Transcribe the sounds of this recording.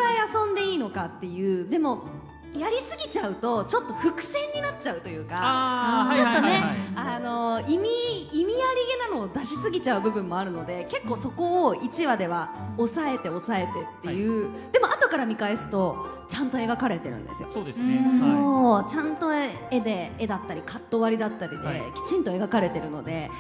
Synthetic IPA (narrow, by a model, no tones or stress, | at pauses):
ɾaiasõ̞nd̪e̞iːno̞kat̪ːe̞jɯ̟ːd̪e̞mo̞ | jaɾʲisɨɡʲit͡ɕaɯ̟t̪o̞t͡ɕot̪ːo̞ɸɯ̟kɯ̟̥sẽ̞ɲ̟ːinatt͡ɕaɯ̟t̪o̞jɯ̟ːka | t͡ɕo̞t̪ːo̞ne̞aano̞imʲiimʲijaɾʲiɡe̞nano̞ːd̪aɕisɨɡʲit͡ɕaɯ̟bɯ̟bɯ̟̃mːo̞aɾɯ̟no̞d̪e̞ke̞kːo̞ːso̞ko̞oit͡ɕiβad̪e̞β̞ao̞sae̞t̪e̞o̞sae̞t̪e̞t̪ːe̞jɯ̟ː | d̪̥e̞mo̞at̪o̞kaɾamʲikae̞sɨ̥t̪o̞ | t͡ɕãnt̪o̞e̞ɡakaɾe̞t̪e̞ɾɯ̟̰̃nd̪e̞̰sɨjosoːd̪esssoːt͡ɕãnt̪o̞ | e̞d̪e̞ːd̪at̪ːaɾʲikʰat̪ːo̞βaɾʲid̪at̪ːaɾʲid̪e̞̰kʲi̥t͡ɕĩnt̪o̞e̞ɡakaɾe̞t̪e̞ɾɯ̟no̞d̪e̞